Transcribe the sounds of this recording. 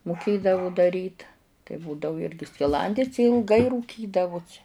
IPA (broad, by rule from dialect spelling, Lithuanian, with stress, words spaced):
mʊˈkʲeːdɐʋʊ dɐˈrʲiːt tɐɪ ˈbuːdɐʋʊ ˈɪrʲɡʲɪ sʲkʲɪˈlˠɐnʲdʲɪs ɪ ɪlˠˈɡɐɪ ruːˈkʲiːdɐʋʊsʲɪ